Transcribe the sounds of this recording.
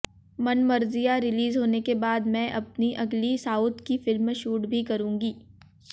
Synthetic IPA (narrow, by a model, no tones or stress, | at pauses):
mɐnmɐɾzijaɾɪliːzɦoːnekebaːd̪mɛ̃ʔɐp̚niʔɐɡlisaːʊt̪kifɪlmʃuːʈbʱikɐɾũːŋɡiː